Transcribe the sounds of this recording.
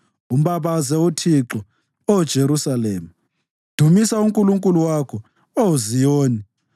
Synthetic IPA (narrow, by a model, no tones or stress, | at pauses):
um̩βaβazɛwotʰiǁɔ | od̥ʒ̥ʱeɾusaleːmu | d̥ʱumisauŋkʼuluŋkʼuluwakʰɔ | ouzijoːni